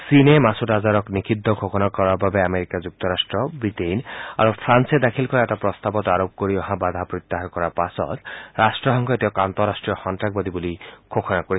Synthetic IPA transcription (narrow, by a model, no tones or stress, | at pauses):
sinemasutazaɾɔknikʰid̪ʱːɔkʰokʰɔnakɔɾababeameɾikad͡ʒuk̚t̪ɔɾasʈɾɔbɾitejna̰ɾupʰɾansed̪akʰilkɔɾaɛtapɾɔst̪abɔt̪aɾop̚koɾiɔɦãbad̪ʱapɾɔt̪ːaɦaɾkɔɾapasɔ̰t̪ɾasʈɾɔɦɔŋkʰɔet̪ɛkant̪ɔɾasʈɹijɔxɔntɾak̚bɔd̪ibulikʰokʰɔnakoi